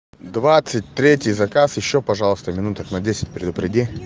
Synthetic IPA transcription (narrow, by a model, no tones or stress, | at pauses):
d̪vat̪sɨt̚ʲt̪ɾʲetʲɪjzɐkasjɪɕːopɐʐalˠəst̪əmʲɪnut̪əknɐdʲesʲɪ̥t̚ʲpɾʲɪd̪ʊpɾʲɪdʲi